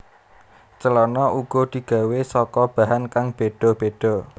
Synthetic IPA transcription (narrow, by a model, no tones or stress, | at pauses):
t͡ʃəlɔnɔʔuɡ̥ɔ̤d̪̥i̤ɡ̥a̤wesɔkɔb̥a̤ɦankaŋb̥eɖ̪̥ɔ̤b̥eɖ̥ɔ̤